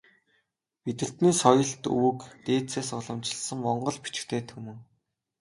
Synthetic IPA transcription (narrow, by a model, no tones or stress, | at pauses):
pit̪ɘ̆ɬt̪niːsɔjɞ̆ɬt̪uwkt̪eːt͡seːsɔɮɞ̆mt͡ɕɪ̆ɮsə̆ŋmɔɴɢɞ̆ɮpi̥t͡ɕɪ̥̆kt̪ʰeːt̪ʰxumɘ̆ŋ